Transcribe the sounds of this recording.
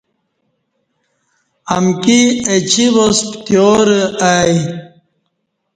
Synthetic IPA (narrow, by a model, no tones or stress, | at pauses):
ɐmkiet͡ɕiβospt̪joːɾəaj